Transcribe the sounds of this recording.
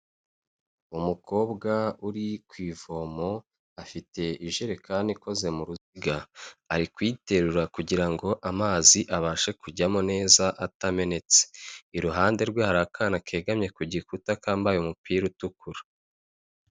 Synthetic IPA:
umuko̞ːbɡauɾikwiːvo̞mo̞ | afite̞iʒeɾekʰaːniko̞ze̞muɾuziɡaːɾikwiːte̞ɾuɾakuɟiɾaŋɡo̞ʔamaːziʔaβaːʃe̞kuɟamone̞ːzaʔatame̞ne̞t͡seiɾuɦaːnde̞ɾɡwaːhaɾakʰaːnakʰe̞ːɡamɲe̞kuɟikutakaːmbajumupiːɾutukʰuɾḁ

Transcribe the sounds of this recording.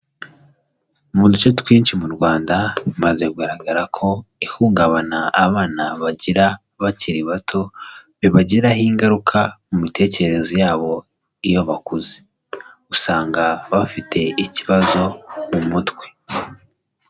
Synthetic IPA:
umudut͡ʃotwiːnʃimuɾɡwaːndamaze̞kuɡaɾaɡaɾakʰo̞ihuːŋɡaβanaːβaːnaβaɟiɾa | βaciɾiβatʰo̞βiβaɟiɾahiːŋɡaɾukʰamumitʰe̞ːceɾeɾe̞zojaːβo̞ | ijo̞βakuze | usaːŋɡaβafitʰe̞iciβazo̞mumutwe̞

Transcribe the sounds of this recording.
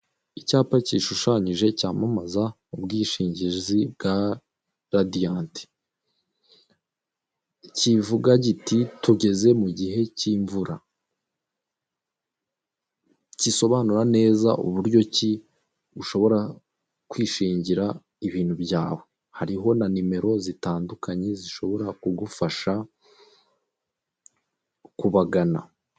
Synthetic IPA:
icaːpaciʃuʃaɲiʒe̞caːmamaza | ubɡiːʃiːɲɟizib̚ɡa | ɾadijaːnti̥ | civuɡaɟititʰuɟe̞ze̞muɟiɦe̞ciːɱvuɾa | ciso̞βaːnuɾane̞ːza̰ʔuβuɾɟo̞ci | uʃo̞βo̞ɾa | kwiːʃiːɲɟiɾa | iβiːnhubjaːwe̞ | haɾiɦo̞nanime̞ɾo̞zitaːndukaɲe̞ziʃo̞βo̞ɾakuɡufaʃa | kuβaɡana̰

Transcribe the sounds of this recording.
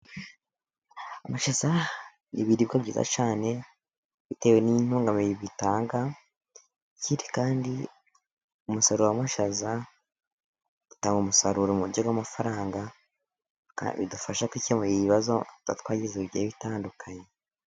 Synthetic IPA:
amaʃaza | niβiɾiβɡaβɟiːza̰t͡ʃaːne̞ | βite̞ːwenin̥uːŋɡameiβitaːŋɡa | ciɾi̥kaːndi | umusoɾowamaʃaza | utaːŋɡomusaɾuɾomuɾɟoɡwamafaɾaːŋɡa | a̰βḭdufaʃakwicemojiiβazoa̰tkwaːɟezeβeβitaːndukʰaɲe

